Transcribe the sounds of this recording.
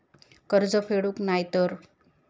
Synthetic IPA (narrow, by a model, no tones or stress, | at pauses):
kəɾd͡zəpʰeɽuknajt̪əɾ